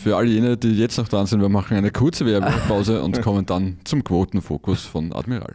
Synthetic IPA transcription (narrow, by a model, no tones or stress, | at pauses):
fyːɐʔaləjeːnəd̥iːjɛt͡stnɔχd̥ʁanzɪnvːɐmaχŋ̩æɪnəkʰʊɐt͡səʋeɐbɛpʰaʊzəʊ̰ntkʰɔmənd̥ant͡sʊmkʰv̥oːtn̩fo̰ːkʰʊsfɔnʔa̰dmiʁa̰ːl